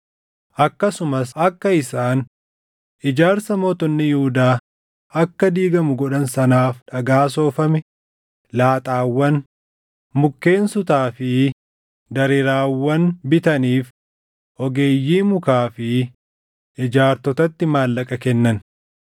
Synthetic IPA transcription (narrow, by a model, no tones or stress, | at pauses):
ʔɐkːɐsʊmɐsɐkːɐɪsaːn | ʔɪd͡ʒaːɾsɐmoːt̪ɔnːɪjʊhʊd̪aː | ɐkːɐd̪iːɡɐmʊɡɔᶑɐnsɐnaːfᶑɐɡaːs̬o̞ːfɐmɛ | laːt̪ʼaːwːɐn | mʊkːe̞ːnsʊt̪aːfɪ | d̪ɐɾɪɾaːwːɐnbɪt̪ɐniːf | ʔɔɡe̞ːjːiːmʊkaːfɪ | ɪd͡ʒaːɾt̪ɔt̪ɐt̪ːɪmaːlːɐkʼɐkɛnːɐn